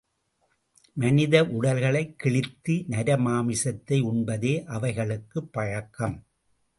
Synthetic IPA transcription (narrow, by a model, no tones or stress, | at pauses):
mɐnɪðɐʔʊɽɐlɣɐɭɐɪkːɪɭɪt̪ːinɐɾɐmaːmɪsɐt̪ːɐɪʊɳbɐðeːʔɐʋɐɪɣɐɭɯkːɯpːɐɻɐkːɐm